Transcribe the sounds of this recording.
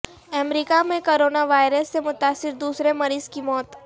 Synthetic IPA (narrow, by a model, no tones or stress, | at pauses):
ɛmɾiːkamẽkoːɾoːnaʋaːɪɾəsːemʊt̪aːsɪɾd̪uːsɾemɐɾiːzkimɔːt̪